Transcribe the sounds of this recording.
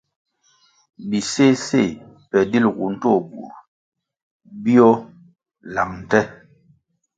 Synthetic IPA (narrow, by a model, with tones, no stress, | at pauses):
bi˨se˦se˦˨pɛ˨di˦lɡṵ˨n̩˦tɔ˦˨bu˨u˨ | bi˦ɔ˦ | la˨ŋn̩˨tɛ˦